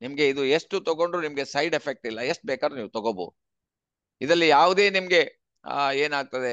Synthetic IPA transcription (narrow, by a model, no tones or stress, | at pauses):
nimɐɡe̞id̪uesʈut̪ɔɡo̞ɳɖɾunimɡe̞sɐjɖepʰek̚ʈilːɐesʈ̚bɛːkaːdɾniːʋut̪ɔɡobo̰ | id̪ɐlːijaːʋud̪e̞ːnimɐɡe̞ | eːnaːɡ̚t̪ɐd̪e